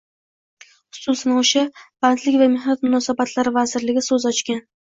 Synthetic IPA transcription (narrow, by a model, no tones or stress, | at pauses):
χʊ̥sʊsnaoʃab̥ant̪lɪkʲvamehnat̪mʊnɒsabat̪laɾɪvazɪɾlɪɡʲɪsɵzɒt͡ʃkʲan